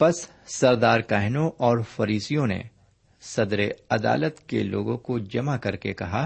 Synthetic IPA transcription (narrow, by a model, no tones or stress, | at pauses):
pɐsː | ɐɾd̪aːɾkaɦnõʔɔːɾfɐɾiːsijõnḛ | sɐd̪ɾeɐd̪a̰ːlət̪kelo̰ːɡõkod͡ʒɐmakɐɾkekɐɦa